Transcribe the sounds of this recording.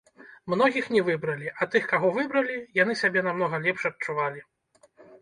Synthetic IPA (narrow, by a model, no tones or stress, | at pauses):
mnɔɣʲixnʲɛvɨbɾɐlʲiʔat̪ɨxkaɣɔvɨbɾɐlʲijan̪ɨsʲabʲɛnamnɔɣɐlʲɛpʂɐt̚t͡ʂuvalʲi